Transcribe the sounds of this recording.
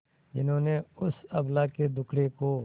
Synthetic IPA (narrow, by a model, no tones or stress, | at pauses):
d͡ʒɪ̰nɦõːneʊsɐblaːked̪ʊkʰɽekoː